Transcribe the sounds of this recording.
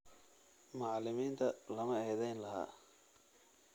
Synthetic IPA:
mʊʕlɪmiːnt̪ʰɐlɐmɐɛjðɛjnlɐɦa̰ː

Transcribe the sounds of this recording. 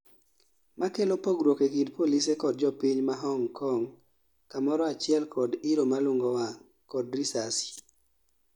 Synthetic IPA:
makelopoɡɾwokekidpolisekɔd̚d͡ʒɔpiɲmaɦɔŋkʰɔŋ | kamɔɾɔat͡ʃɪɛlkʰɔdiɾomalʊŋɡowa | kɔdɾisasi̥

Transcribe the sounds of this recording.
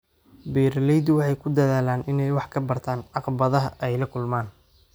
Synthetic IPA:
biːɾɐlɛjd̪wɑħɑjkʰʊd̪ɐðaːlaːnʔɪnɛjwɑħkʰɐbɐrt̪ʰaːnʕɑqbɐðɐɦɐʔɛjlɐkʰʊlmaːn

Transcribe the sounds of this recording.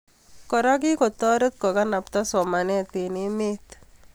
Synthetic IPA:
kɔɾaɡikɔt̪ɔɾət̪kɔɡanap̚t̪ɔsɔmanet̪inimit̪

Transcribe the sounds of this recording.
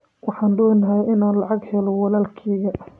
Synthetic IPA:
wʔɑħɑːndɔːnːɐɦajʔɪnaːnlɑʕɑɡhɛlɔwɑlaːlkʰɛːɣɐ

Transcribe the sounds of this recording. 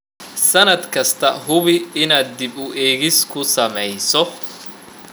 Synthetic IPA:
sɐnɐd̪kʰɐst̪ʰɐɦʊβɪɪnaːd̪̚ːɪbʊʔɛːɣɪskʰʊsɐmɛjsɔ

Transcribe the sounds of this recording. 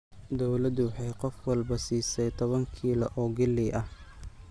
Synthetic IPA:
d̪ɔwlɐd̪wɑħɑjqɔfwɑlbɐsiːsɛjt̪ʰɔβɐŋkʰiːlɐʔɔːɡɪlɪʔɐh

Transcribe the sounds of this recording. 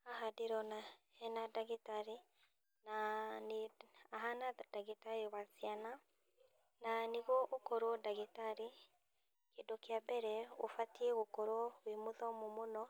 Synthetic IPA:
aɦadeɾɔnahɛnadaɣetaɾi | naneaɦanadaɡitaɾiwasiana | naniɣɔʔokɔɾwɔdaɣitaɾi | kedokjabɛɾɛo̰fatiɛɣokɔɾwɔwimoðɔmomonɔ

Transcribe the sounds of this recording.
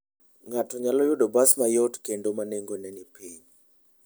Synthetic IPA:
ŋatɔɲalɔjʊdɔbasmajɔtkendomaneŋɡonɛnipiɲ

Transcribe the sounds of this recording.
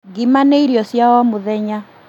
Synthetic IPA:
ɡimaneiɾjɔsjawamoðɛɲa

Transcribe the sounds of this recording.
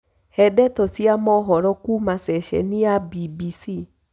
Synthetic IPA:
hɛdɛtosiamɔɦɔɾɔkumasɛʃɛ̰niabibisi

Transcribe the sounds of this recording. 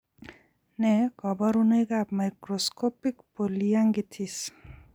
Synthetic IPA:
nekɔbɔɾunejɡapmajkɾoskopikpolijaŋɡit̪ʰis

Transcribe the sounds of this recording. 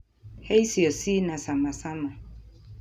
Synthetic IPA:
hejsiɔsinãsãmãsamã

